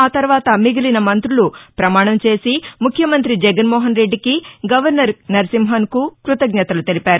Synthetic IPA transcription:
aːt̪ɐɾʋaːt̪ɐmiɡilinɐmɐnt̪ɾulupɾɐmaːɳɐmt͡ʃe̞ːsimukʰjɐmɐnt̪ɾid͡ʒɛɡɐnmɔːɦɐnɾe̞ɖːikiɡɐʋɐɾnɐɾnɐɾsimɦɐnkukɾut̪ɐɡɲɐt̪ɐlut̪e̞lipaːɾu

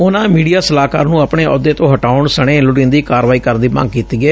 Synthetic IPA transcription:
ʊnãːmiːɖijaːsəlaːka̰ːɾnũːapɳeːʔɔːd̪eːt̪õːɦəʈaːʊɳsəɽ̃eːlʊɽɪ̃ːnd̪iːkaːɾʋaːiːkəɾnd̪iːmə̰̃ŋɡ̚kiːt̪iːɡɛː

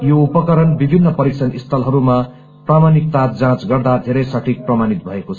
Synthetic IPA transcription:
joupʌkʌɾʌnbibʱinːʌpʌɾik̚sʰʌnist̪ʰʌlɦʌɾuma | pramanik̚t̪ad͡zãt͡sɡʌrd̪ad̪ʱeɾʌjsʌʈʰik̚prʌmanit̪bʱʌekot͡sʰ

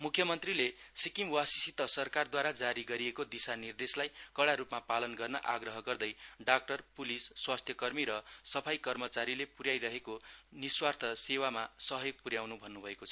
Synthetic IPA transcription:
mukʰjʌmʌnt̪rilesikimwasisit̪ʌsʌrkard̪waɾad͡zaɾiɡʌɾiekod̪isanird̪eslajkʌɽaɾupmapalʌnɡʌrnʌ̰ʔaɡrʌɦʌɡʌrd̪ʌjɖak̚ʈʌrpulisːwast̪ʰjʌkʌrmiɾʌsʌpʰajkʌrmʌt͡saɾilepuɾjajɾʌɦekoniswart̪ʰʌsewamasʌɦʌjoɡ̚puɾjawnubʱʌnːubʱʌekot͡sʰʌ

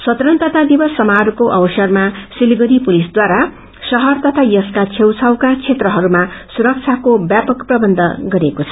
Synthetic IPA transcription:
sʌt̪ɾʌnt̪ʌt̪ʰad̪ibʌsːʌmaɾkoʔʌwʌsʌrmasilɡʌɾipulisd̪waɾa | sʌɦʌrt̪ʌt̪ʰajʌskat͡sʰewt͡sʰʌwkat͡sʰet̪rʌɦʌɾumasuɾʌk̚t͡sʰakobjapʌkprʌbʌnd̪ʱʌɡʌɾekot͡sʰʌ̥

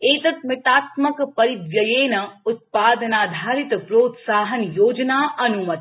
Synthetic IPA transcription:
eːt̪ɐt̪mɪt̪aːt̪mɐkpɐɾid̪ʋjɐjeːnɐʊt̪̚paːd̪ɐnaːd̪ʱaːɾit̪pɾoːt̪saːɦɐnjoːd͡ʒnaːʔɐnumɐt̪

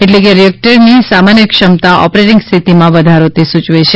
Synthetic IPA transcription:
eʈlekeɾiɛk̚ʈəɾnisamanjəkʃəmt̪aʔɔ̰pɾeʈɪ̃ŋɡst̪ʰit̪imãʋəd̪ʱaɾot̪isut͡ʃʋet͡ʃʰe

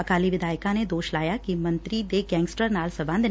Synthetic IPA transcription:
ɐkaːliʋɪd̪aːjkãned̪oːʃlaːjakimɐ̃nt̪ɾid̪eɡɛ̃ːŋɡsʈəɾnaːlsɐbə̃nd̪

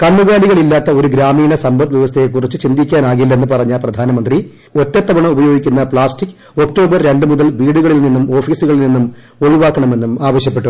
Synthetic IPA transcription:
kɐnːuɣaːliɣɐɭilːaːt̪ːɐo̞ɾuɡɾaːmiːnɐsɐmbɐt̪ʋiʋɐst̪ʰejek̬ːurit͡ɕːɨt͡ɕind̪ʱikʲːaːnaːɣilːɐe̞nːɨpɐrɐɲːaːlprɐd̪ʱaːnɐmɐnd̪ri | o̞tːɐt̪ːɐbɐɳɐmubɐjo̞ːɡikʲːunːɐpɭaːsʈikː | o̞k̚ʈo̞ːbɐrɾe̞ɳɖɨmuðɐlʋiːɽuɣɐɭilninːumo̞ːfiːsuɣɐɭilninːum | o̞ɭuʋaːkːɐɳɐme̞nːumaːʋɐɕjɐpːe̞ʈːu

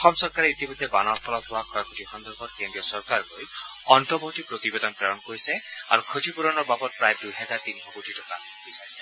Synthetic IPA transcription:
ɔxɔmsɔɹkaɾeit̪imɔd̪ʱːebanɔɹpʰɔlɔt̪ʰɦoakʰɔjkʰotixɔnd̪ɔɾbʱɔtkendiɔsɔɹkaɹloj | ɔntɔbɔɦut̪ipɹot̪ibed̪ɔnpɹɔjɔnkoɹisɛa̰ɹukʰotipuɾɔnɔɹbabɔt̚pɹajdujɦɛzaɹt̪inxɔkotʰitɔka | bisaɹise̥

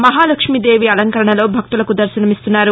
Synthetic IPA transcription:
mɐɦaːlɐkʂmid̪eːʋiɐlɐŋkɐɾɐɳɐlo̞ːbʱɐk̚t̪ulɐkud̪ɐɾsɐnɐmist̪unːaːɾu

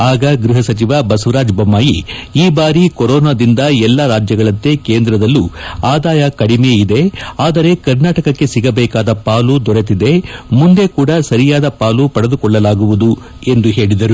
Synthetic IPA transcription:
aːɡɐɡɾuɦɐsɐt͡ʃiʋɐbɐsɐʋɐɾaːd͡ʒbɐmːaːjiiːbaːɾikɔɾɔːnaːd̪ind̪ɐɛlːɐɾaːd͡ʒjɐɡɐɭɐnt̪e̞keːnd̪ɾɐd̪ɐlːuaːd̪aːjɐkɐɽimeid̪e̞aːd̪ɐɾe̞kɐɾnaːʈɐkɐkːe̞siɡɐbɛːkaːd̪ɐpaːlud̪ɔɾet̪̬id̪e̞mund̪e̞kuːɽɐsɐɾijaːd̪ɐpaːlupɐɽɐd̪ukɔɭːɐlaːɡuʋud̪u | e̞nd̪uɦe̞ːɭid̪ɐɾu

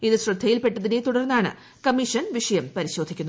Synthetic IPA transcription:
iðɨɕrɨd̪ʱːɐjilpe̞ʈːɐðinet̪uɽɐrnːaːɳɨ̰ | kɐmiʂɐnʋiʂɐjɐmpɐɾiɕo̞ːd̪ʱikʲːunːɐ

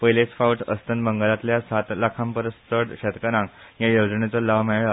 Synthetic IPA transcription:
pəjlesfawʈə̰st̪ənbəŋɡlat̪ljasat̪lakʰãmpəɾəst̪əɽɕet̪kəɾãŋjajod͡znet͡sɔlaʋmɛɭa

